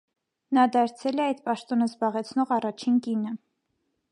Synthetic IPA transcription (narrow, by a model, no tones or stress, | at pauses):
nɑd̪ɑɾt͡sʰɛlɛɑjd̪pɑʃt̪ɔnəzbɑʁɛt͡sʰnɔʁɑrɑt͡ʃʰinkinə